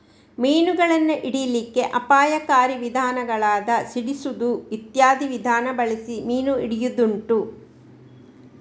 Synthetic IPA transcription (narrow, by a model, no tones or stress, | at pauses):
miːnuɡɐɭɐnːuʔiɽijlikːe̞ʔɐpaːjɐkaːɾiʋid̪ʱaːnɐɡɐɭaːd̪ɐsiɽisud̪uʋit̪jaːd̪iʋid̪ʱaːnɐbɐɭisimiːnuiɽijud̪uɳʈu